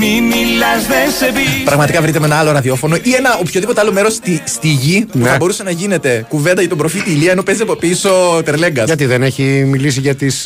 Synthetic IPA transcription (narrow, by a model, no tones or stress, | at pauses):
mimilːɐzðensepipɾɐɣmɐt̪ikɐvɾit̪emenɐɐlo̞ɾɐðio̞fo̞no̞ʔie̞nɐopçoðipo̞t̪eɐlo̞me̞ɾost̪ist̪iʝipuθɐbo̞ɾuse̞nɐʝine̞t̪e̞kuve̞nd̪ɐcɐt̪obɾo̞fit̪iːliɐeno̞pe̞zeopiso̞t̪eɾle̞ŋɡɐsʝɐt̪̬iðeneçimilis̬iʝɐt̪is